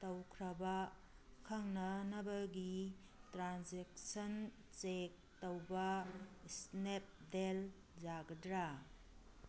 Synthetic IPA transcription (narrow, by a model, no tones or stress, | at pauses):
tɐwkʰɾɐba | kʰaŋnɐnɐbɐɡi | tɾanzek̚sɐn | t͡ʃek̚tɐwbɐsnep̚del | d͡ʒaɡɐdɾa